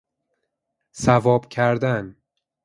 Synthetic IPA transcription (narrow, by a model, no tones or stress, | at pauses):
sævɒːbcʲʰæɾd̪æn